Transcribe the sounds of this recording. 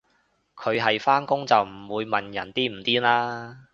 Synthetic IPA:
kʰɵ˨˧ɥɦɐ˨jfaː˥nkʊ˥ŋt͡sɐ˨wm̩˨˩wuː˨˧jmɐ˨njɐ˨˩nt̪iː˥m̩˨˩t̪iː˥laː˥

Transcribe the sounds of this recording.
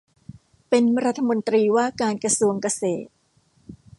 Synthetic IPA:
pe˧nɾa˦˥t̪ʰːa˧mo˧nt̪ɾiː˧waː˥˩kaː˧nkɾa˧su˧əŋka˧seː˨˩t̪̚

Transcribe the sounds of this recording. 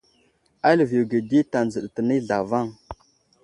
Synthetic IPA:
a˦lə˨vi˨wɡə˨di˦ta˨nd͡zə˨ɗtə˨ni˦ɮa˨va˦˨ŋ

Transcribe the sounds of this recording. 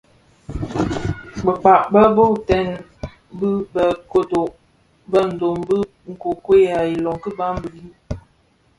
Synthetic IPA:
bə˨k͡pa˨ʔbə˦bo˦˨tɛ˦˨n | bɨ˦bə˨ko˦do˨ʔ | bə˦n̩˨do˨mbə˦ | ŋ̩˨ko˨kwe˦ja˨i˨lɔ˨ŋkə˦ba˦mbə˨li˦

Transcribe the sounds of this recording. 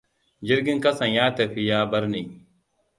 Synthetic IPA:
d͡ʒɪ˦ɾɡʲɪ˦ŋkɐ˦sɐ˨ɲjaː˦tɐ˨ɸi˦jaː˦bɐ˦ɾneː˨

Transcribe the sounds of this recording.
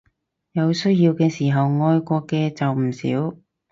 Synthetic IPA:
jɐ˨˧wsɵ˥ɥjiː˧wkɛː˧siː˨˩ɦɐ˨wŋɔː˧jkʷɔː˧kːɛː˧t͡sɐ˨wm̩˨˩sḭː˨˥w

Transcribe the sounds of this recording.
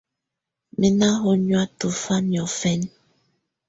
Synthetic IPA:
mi˨na˦ɦo˦ɲwa˦tu˨fa˦njɔ˨fɛ˦n

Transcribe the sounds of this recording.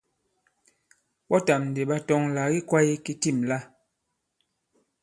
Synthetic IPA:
ɓɔ˦ta˨mn̩˨de˨ɓa˦tɔ˦ŋla˨ɣi˦kwa˦i˦ki˦ti˦˨mla˦

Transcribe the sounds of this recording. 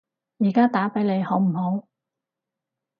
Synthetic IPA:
jiː˨˩kaː˥t̪aː˨˥pe˨˥jle˨˧jho˨˥wm̩˨˩ho˨˥w

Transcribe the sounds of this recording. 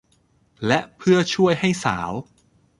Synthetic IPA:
lɛ˦˥ʔpʰɯ˥˩ɐt͡ɕʰu˥˩əjɦa˥˩jsaː˩˦w

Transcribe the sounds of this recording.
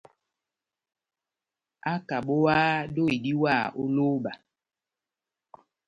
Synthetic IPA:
a˦ka˨ɓo˦waː˦do˦i˨di˦waː˦˨o˦lo˦ɓa˨

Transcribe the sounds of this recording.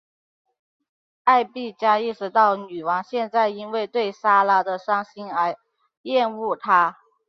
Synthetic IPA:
a˥˧ɪpi˥˩t͡ɕja˥i˥˧ʂɻ̩˧˥t̪ɑ˥˩ʊny˨˩wɑ˧˥ŋɕjɛ˥˧nt͡sa˥˩ɪi˥nwe˥˧ɪt̪we˥˩ɪsa˥la˧˥d̪ə˧ʂɑ˥˩ŋɕi˥nə˧˥ | jɛ˥˧nu˥˩t̪ʰa˥

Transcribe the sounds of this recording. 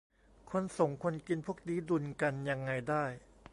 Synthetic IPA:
kʰo˧nso˨˩˦ŋkʰo˧nki˧npʰu˥˩ək̚diː˦˥du˧nka˧nja˧ŋːa˧jdaː˥˩j

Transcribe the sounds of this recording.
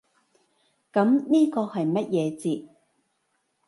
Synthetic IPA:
kɐ˨˥mniː˥kɔː˧hɐ˨jmɐ˥t̚jɛː˨˧t͡siː˧t̚

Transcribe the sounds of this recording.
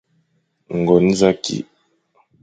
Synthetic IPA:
ŋ̩˨ɡɔ˨n̩˦za˦kḭ˨

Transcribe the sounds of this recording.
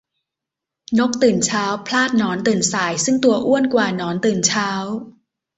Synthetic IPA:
no˦˥k̚t̪ɯː˨˩nt͡ɕʰaː˦˥wpʰlaː˥˩t̪̚nɔː˦˥nt̪ɯː˨˩nsaː˨˩˦jsɯ˥˩ŋt̪u˧ɐʔu˥˩ənkwaː˨˩nɔː˩˦˥nt̪ɯː˨˩nt͡ɕʰaː˦˥w

